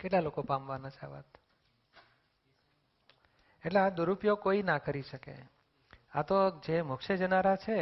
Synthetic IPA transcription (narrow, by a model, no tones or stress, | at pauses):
keʈlalokopamʋanat͡ʃʰea̰ʋa̰t̪ | eʈlead̪uɾupjokoinakəɾiʃəkḛ | a̰t̪od͡ʒemʊkʃed͡ʒənaɾat͡ʃʰe